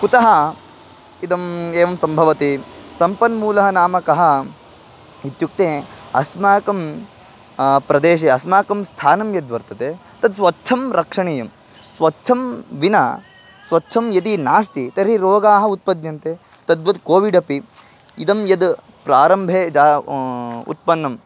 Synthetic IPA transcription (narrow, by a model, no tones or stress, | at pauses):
kut̪ɐɦɐ | id̪ɐmeːʋɐmsɐmbʱɐʋɐt̪isɐmpɐnmuːlɐɦɐnaːmɐkɐɦɐ | it̪juk̚t̪eːɐsmaːkɐm | pɾɐd̪eːʃ̬eɐsmaːkɐmst̪ʰaːnɐmjɐd̪ʋɐɾt̪ɐt̪et̪ɐd̪sʋɐtːt͡ʃʰɐmɾɐkʂɐɳijɐm | sʋɐtːt͡ʃʰɐmʋinɐ | sʋɐtːt͡ʃʰɐmjɐd̪̬inaːst̪it̪ɐɾiɾoːɡaːɦɐ̆ut̪̚pɐd̪jɐnt̪eː | t̪ɐd̪bɐd̪koːʋiɖɐpi | id̪ɐmjɐd̪ | pɾaːɾɐmbʱeːd͡ʒaː | ṵt̪̚pɐnːɐm